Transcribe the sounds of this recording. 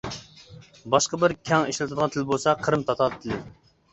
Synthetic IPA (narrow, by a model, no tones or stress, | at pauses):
bɑʃqɑbɪɾkʲʰɛŋiʃlɪt̪ʰɨd̪ʁɑnt̪ʰɪlbolˠsɑqʰəɾɨmt̪ʰɑt̪ʰɑt̪ʰːɪlɪ